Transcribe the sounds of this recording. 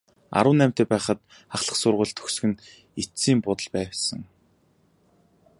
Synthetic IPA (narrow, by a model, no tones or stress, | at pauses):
a̰ɾə̆wnæːm̥ʲt̪eːpæːχə̆t̪ | aχɮə̆χsʊrʁə̆ɮt̪ʰɵ̥xsɵ̆xɘ̆n | it͡siːmpʊt̪ə̆ɮpæːwsə̆ŋ